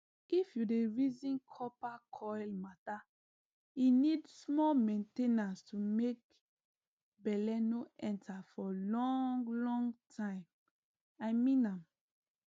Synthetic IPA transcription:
ifjudeɹizĩnkʰɔpakʰɔjlmata | inidsmɔmẽntenastʰumek̚ | bɛlɛnoɛ̃ntʰafɔlɔ̃ŋɡlɔ̃ŋɡtʰãɪ̃m | ajmĩnãm

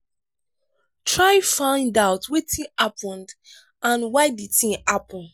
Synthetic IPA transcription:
tʰɹaɪfãɪ̃ndaʊtwetʰĩapʰɔ̃nd | ãnwaɪditĩnapɔ̃n

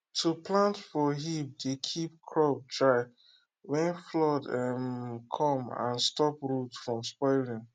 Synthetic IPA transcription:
tʰuplãntfɔɦip̚dekʰip̚kʰɹɔb̚dɹaɪ | wɛ̃nflɔdɛmkʰɔ̃mã̰nstɔpɹutfɹɔ̃mspɔɪlĩŋ

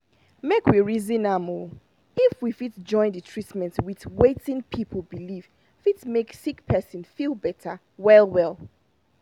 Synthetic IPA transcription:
mekwiɹizĩnamo | ifwifitd͡ʒɔ̃ɪ̃nditʰɹ̥itmɛ̃ntwitwetĩŋpʰipʰl̩ˠbiliv | fitmeksikpʰɛsə̃nfilˠbɛtʰə | wɛlˠwɛlˠ

